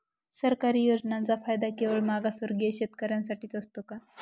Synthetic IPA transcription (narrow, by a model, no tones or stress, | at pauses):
səɾkaɾiːjod͡znãnt͡safajd̪akeʋəɭmaɡasʋəɾɡeɕet̪kəɾjansaʈiːt͡səst̪oka